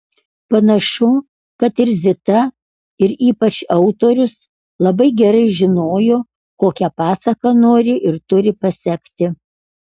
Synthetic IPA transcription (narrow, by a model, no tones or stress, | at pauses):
pɐnɐʃʊ | kɐt̪ɪɾzʲɪt̪ɐ | ɪɾiːpɐt͡ʃɐʊt̪oːɾʲʊs | lˠɐbɐɪɡʲɛɾɐɪʒʲɪnoːjoː | koːkʲɛpɑːsɐkɐnoːɾʲɪʔɪɾt̪ʊɾʲɪpɐsʲɛkt̪ʲɪ